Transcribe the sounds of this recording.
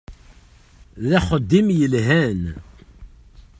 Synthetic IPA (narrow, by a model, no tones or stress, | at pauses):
ðæχəd̪ːimjəlɦæn